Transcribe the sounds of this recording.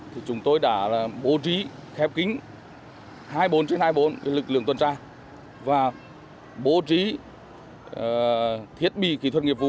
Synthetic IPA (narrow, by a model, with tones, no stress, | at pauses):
t̪ʰi˨˩t͡ɕʊ˨˦ŋ͡mt̪o˧jɗa̰ː˧˥la˨˩ɓo˨˦t͡ɕi˨˦xɛ˨˦p̚kï˨˦ŋ̟ | haː˧jɓo˨˦nt͡ɕe˨˦nhaː˧jɓo˨˦n˨˦lɨ˨˩k̚lɨ̰˧˨əŋt̪ə˨˩nt͡ɕaː˧ | vaː˨˩ | ɓo˨˦t͡ɕi˨˦˨ | t̪ʰi˨˥ət̚ɓḭ˧˨kḭ˧˩t̪ʰə˨n̚ŋi˨˩pvṵ˨